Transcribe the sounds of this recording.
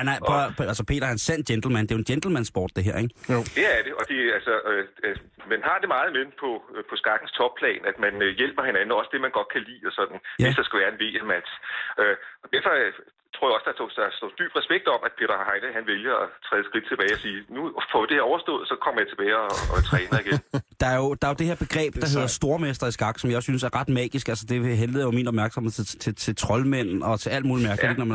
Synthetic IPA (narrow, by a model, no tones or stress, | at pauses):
ænæælsɒpʰe̝̰ːd̥ɐænsæn̰̥jend̥l̩mænd̥e̝jo̝n̥jend̥l̩mænsb̥ɒ̰ːd̥d̥e̝ɦḛɐ̰eɡd̥e̝æɐd̥e̝ʔɒ̽d̥e̝ælsɒ | mænɦɑ̈d̥e̝mɑ̈ːð̞̩ˠmepʰɒ̽pʰɒ̽sɡ̥ɑ̈ɡ̥n̩st͡sʰɒ̽b̥̚pʰlɛ̰ːnæd̥mænjel̰b̥ɐhe̝nænn̩ɒ̽sd̥e̝mænɡ̥ɒ̽d̥̚kʰælḭːɒsɒ̽d̥n̩esd̥ɑ̈sɡ̥æʋæɐenʋe̝̰ːemæd̥søɒ̽d̥æɐ̰fɒ̽ | t͡sʰo̰ɐjɒ̽səd̥ɑ̈o̰̥sd̥ɔ̰d̥y̰ːb̥ʁɛsb̥eɡ̥̚d̥ɒ̽mʔæ̥pʰe̝ːɾ̥ɐhɑ̈ɪn̥əɦænʋeljɐɒt͡sʰʁɛ̰ːð̩ˠsɡ̥ʁid̥̚t͡sʰe̝b̥ɛːɪɒ̽siːnufɒ̽d̥e̝heɐɒʊɐsd̥ɔ̰ðˠsɒ̽kʰɒ̽mɐjɑ̈t͡sʰe̝b̥ɛːɪɒɒt͡sʰʁɛːnɐiɡ̥end̥ɑ̈æɐjo̝d̥ɑ̈æɐjod̥e̝heɐb̥e̝ɡ̥ʁɛ̰ːb̥d̥ɑ̈ɦe̝ð̞̰ˠɐsd̥o̝ɐmesd̥ɐisɡ̥ɑ̈ɡ̥sɒ̽mjɑsynsæɐʁɑ̈d̥mɛ̰ːɡ̥isɡ̥ælsəd̥e̝ɦeldð̩ˠjominɒ̽b̥mæɐɡ̥sɒ̽mhe̝ðˠðt͡sʰet͡sʰe̝lt͡sʰʁɒ̽lmen̰̩ɒ̽t͡sʰe̝læl̰d̥moːlimæɐɡ̥əeɡənɒmæ